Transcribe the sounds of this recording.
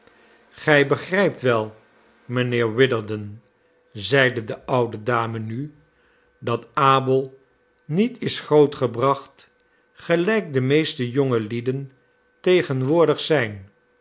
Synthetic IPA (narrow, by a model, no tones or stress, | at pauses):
χɛjbəχrɛjp̚tʋɛlˠ | mənɪːɹwɪdəɹdən | zɛjdədəʔʌwdədaːməny | dɑtaːbəlˠ | nitɪsχrowtχəbrɑχt | χəlɛjk̚dəmejstəjoŋəlidən | tejχənʋʊːɹdəχsɛjn